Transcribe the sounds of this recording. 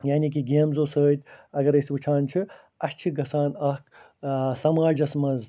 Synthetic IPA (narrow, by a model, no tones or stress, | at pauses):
jaːnikiɡeːmzoːsəːt̪ʲɐɡɐɾɐswɨt͡ʃʰaːnt͡ʃʰi | ɐʃt͡ʃʰiɡɐsaːnɐk | sɐmaːlʲd͡ʒɐsmɐnz